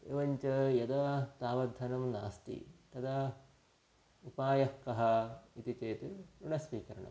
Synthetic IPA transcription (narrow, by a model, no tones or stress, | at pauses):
eʋɐɲt͡ʃɐjɐd̪ɐt̪aːʋɐd̪ʱːɐnɐmna̰ːst̪ḭt̪ɐd̪ɐ | upaːjɐhkːɐɦɐit̪it͡ʃeːt̪iɾuɽɐsʋiːkɐɾɐ̰ɳɐ̰m